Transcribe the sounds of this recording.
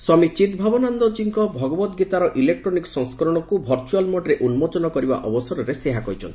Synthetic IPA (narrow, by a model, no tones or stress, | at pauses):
isɔmit͡ʃit̪bʱabɔnand̪ɔd͡ʒiŋkɔbʱɔɡɔbɔt̪ɡit̪aɾɔʔilek̚ʈɾɔniksɔŋskɔɾɔɽ̃ɔkubʱɔɾt͡ʃualmɔɖɾeʔunmɔt͡ʃɔnɔkɔɾiba̰ʔɔbɔsɔɾɔɾeseɦakɔjt͡ʃʰɔ̰nt̪i